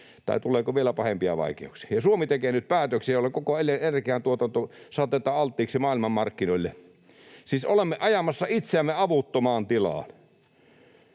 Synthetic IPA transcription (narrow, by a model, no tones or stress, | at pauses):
t̪ɑ̰ˑit̪ulˑeːkoʋielæpɑhempiɑ̰ʋɑ̰ˑikḛuksi̥ɑjɑsuomit̪ekeːnyt̪̚pæːt̪øksijolːˑekokoelːˑenenkiæˑnt̪uot̪ɑnt̪osɑt̪et̪ːˑɑɑlt̪ːˑiːksimɑːˑilmɑmmɑrkːinoilːe | siːsʔolemːeʔɑjɑmɑsːɑit̪seæmːeɑʋut̪ːomɑːnt̪ilɑ̰ːn